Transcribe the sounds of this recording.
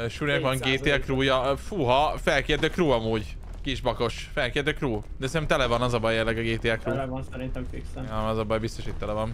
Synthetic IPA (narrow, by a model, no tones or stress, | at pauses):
ʃuɾikʋɒŋɡeːt̪eːɛkruːjɒfuɦɒfɛlkeːt̪øːkruːɒmuːɟ | kiʒbɒko̞ʃ | fɛlkeːt̪øːkruː | d̪ɛsɛnt̪ɛmt̪ɛlɛvɒnɒzɒbɒjeːrlɛɡɒɡeːt̪eːɛkɾuːnsɛɾint̪ɛmfiksɛɒzɒbɒjbist̪o̞ʃit̪ʲt̪ɛlɛvɒn